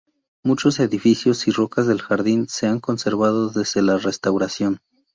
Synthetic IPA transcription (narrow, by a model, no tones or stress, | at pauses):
mut͡ʃo̞se̞ðifisjo̞siro̞kazðe̞lxaɾðinse̞aŋko̞nse̞ɾβað̞o̞ðe̞zðe̞lare̞st̪awɾasjo̞n